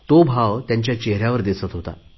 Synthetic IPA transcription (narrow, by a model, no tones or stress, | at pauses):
t̪obʱaʋt̪jãɲt͡ɕjat͡ɕeɦɾjaʋəɾd̪isət̪ɦot̪a̰